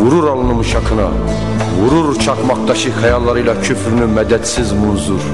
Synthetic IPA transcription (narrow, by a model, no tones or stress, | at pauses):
vuɾuɾɑlˠɯnɯmʃɑkʰɯnɑ̰ | vuɾuɾt͡ʃʰɑqmɑχt̪ɑʃɯχæjɑlˠːɑɾɯjlˠɑcʰyfɾynymæd̪æd̪sizmunzuɾ